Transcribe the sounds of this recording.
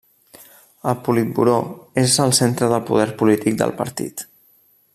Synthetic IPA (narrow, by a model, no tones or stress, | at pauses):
əlˠpulit̪̚bṵɾoezəlˠsent̪ɾəðəlpuð̞ɛɾpulit̪ik̚d̪ə̰lˠpə̰ɾt̪ḭt̪